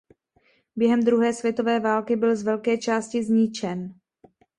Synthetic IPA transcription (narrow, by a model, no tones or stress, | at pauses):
bjɛɦɛmd̪ɾuɦɛːsvjɛt̪o̞vɛːvaːlkɪbɪlzvɛlkɛːt͡ʃaːscɪzɲɪt͡ʃɛn